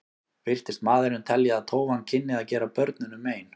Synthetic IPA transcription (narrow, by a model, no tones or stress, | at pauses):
vɪr̥t̪ɪst̪maːðʏɾnɪnt̪ʰɛljɪaðt̪ʰoːwvancʰɪnːɪðaðcɛːɾapœɾt̪nʏnʏmeːjn